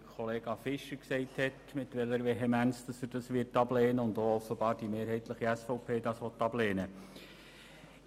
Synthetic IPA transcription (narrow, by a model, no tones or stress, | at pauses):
kʰɔleːɡ̥ɑfɪʃəksɛɪthɛtmɪtʋɛləɾʋɛɦɛmænsd̥ɑsəd̥ɑsʋɪtɑb̥leːnəʊndoːɔfəbɑːɾd̥imeːɾɦɛɪtləχiɛsfɔʊpʰeːdɑːsʋɔtːɑbleːnə